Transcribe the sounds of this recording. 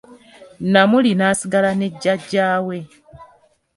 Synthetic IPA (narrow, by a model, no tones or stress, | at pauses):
namulinaːsiɡalane̞ɟːaɟaːwe̞